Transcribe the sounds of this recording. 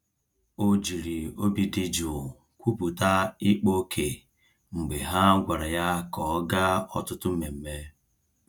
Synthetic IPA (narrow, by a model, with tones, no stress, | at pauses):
o˦d͡ʒi˨ɾi˨o˦bi˨di˦d͡ʒu˨ | kʷu˦pu˨ta˦i˦k͡po˦kʰe˨ | ŋ͡m̩˨ɡ͡be˨ɦa˦ɡʷa˨ɾa˨ja˦kɔ˨˦ɡa˦ɔ˦tʊ˦tʊ˦me˨m̩˨me˦